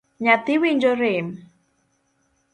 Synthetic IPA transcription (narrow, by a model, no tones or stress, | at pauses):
ɲat̪iwiɲd͡ʒoɾem